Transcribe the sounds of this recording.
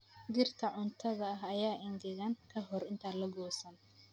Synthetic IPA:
d̪ɪrt̪ʰɐʕʊnt̪ʰɐðɐɦɐjaːʔɪnɡ̪ɪɣaːŋkʰɐɦɔrɪnt̪ʰaːlɐɡɔːsɐn

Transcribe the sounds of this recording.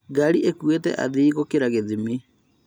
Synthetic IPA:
ɡaɾiekwetɛ̰ʔa̰ðiːɣokeɾaɣeðime

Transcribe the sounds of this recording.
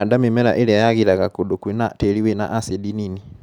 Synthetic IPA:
adamemɛɾaʔeɾeajaɣiɾaɣakodokwenatɛɾiwena̰ʔasedinini

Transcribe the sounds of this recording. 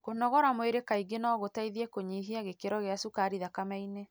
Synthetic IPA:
konɔɣɔɾamweɾekaiɡenɔːɣotaiðiekoɲiːɦiaɣekeɾɔɣeasukaɾiðakamaine

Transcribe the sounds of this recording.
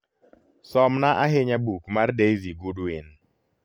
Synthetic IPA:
sɔmnaʔaɦeɲabukmardejziɡuduɪn

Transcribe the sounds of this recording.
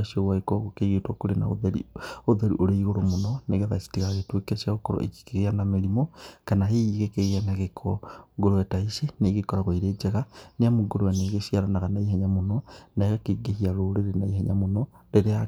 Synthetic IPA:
ʃowaekɔɣokeɣietwokoɾena̰o̰ðeɾḭoðeɾiʔoɾeiɣoɾomonɔneɣɛðasi̥tiɣaɣetwekeʃaokɔɾɔ̰ʔḛki̥keɣeanameɾimokanaɦeiɣekeɣeanaɣekʰɔɡoɾoɛtaiseneɣekɔɾaɣoiɾed͡ʒɛɣaneamoɡoɾowɛneɣeʃiaɾanaɣanaiɦɛɲamonɔnaeɣakeɡehiaɾoɾeɾenaiɦɛɲamonɔɾeɾea

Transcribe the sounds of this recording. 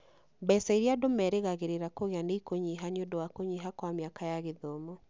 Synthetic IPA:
bɛsaiɾiadomɛɾeɣaɣeɾeɾakoɣeaneikoɲiɦaniondowakoɲiɦakwameakajaɣeðomɔ

